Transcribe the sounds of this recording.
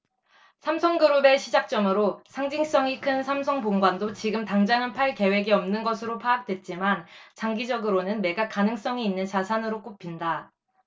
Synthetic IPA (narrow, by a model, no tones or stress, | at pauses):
sʰamsʰʌŋɡɯɾome̞ɕʰid͡ʑak̚t͡ɕ͈ʌmɯɾosʰaŋd͡ʑiŋs͈ʌŋikʰɯnsʰamsʰʌŋpoŋɡwandot͡ɕiɡɯmtaŋd͡ʑanɯnpʰaɭke̞we̞ɡiʌmnɯnɡʌsʰɯɾopʰaːk̚t͈we̞t̚t͡ɕ͈imant͡ɕaŋɡid͡ʑʌɡɯɾonɯnme̞ɡakanɯŋs͈ʌŋiːnːɯnt͡ɕasʰanɯɾok͈opʰinda